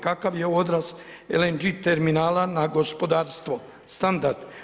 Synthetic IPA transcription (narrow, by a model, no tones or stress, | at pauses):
kakaʋjeo̞d̪ɾas | elend͡ʒit̪eɾminaːlanaɡo̞spo̞d̪aːɾst̪ʋo | st̪and̪aɾd̪